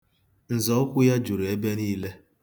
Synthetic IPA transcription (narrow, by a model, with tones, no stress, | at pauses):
n̩˨zɔ˨˦ʊ˦kʷʊ˦ja˦d͡ʒu˨ɾe˦be˦niː˦le˦